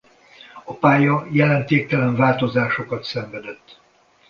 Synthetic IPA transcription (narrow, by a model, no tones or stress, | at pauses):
ɒpaːjɒjɛlɛnt̪eːk̚t̪ɛlɛɱvaːlt̪o̞zaːʃo̞kɒt̪sɛɱvɛd̪ɛt̪ː